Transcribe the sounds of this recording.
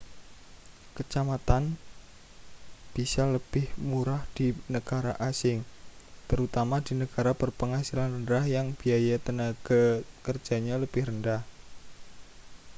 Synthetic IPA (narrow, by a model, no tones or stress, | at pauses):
kət͡ʃamat̪an | b̥isaləb̥ɪhmuɾahd̪̥inəɡ̥aɾaʔasɪŋt̪əɾut̪amad̪̥inəɡ̥aɾabərpəŋasilanrəndahjaŋb̥iajat̪ənaɡ̥a̤kər̥d͡ʒ̥a̤ɲaləb̥ɪhrəndah